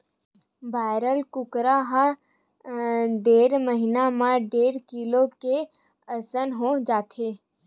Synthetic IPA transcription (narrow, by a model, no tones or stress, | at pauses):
baːɪɾəlkʊkɾaɦa | ɖeːɾməɦɪnamãɖeːɾkiloke | əsənɦod͡ʒaːt̪ʰeː